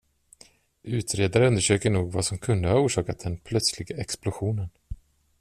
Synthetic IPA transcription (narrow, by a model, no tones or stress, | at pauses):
ʉ̟ːt̪ɾeːd̪aɾəɵnd̪əʂøːkəɳuːɡvasɔmkʰɵnd̪əhauːʂɑːkat̪̚d̪ɛnpʰlœt̪slɪɡaɛksplʊɧuːnən